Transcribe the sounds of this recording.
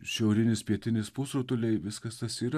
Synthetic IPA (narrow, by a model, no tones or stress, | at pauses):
ʃʲɛʊɾʲɪnʲɪspʲiɛtʲɪnʲɪspuːsoːt̪ʊlʲɛɪʋʲɪskɐst̪ɐsiːɾɐ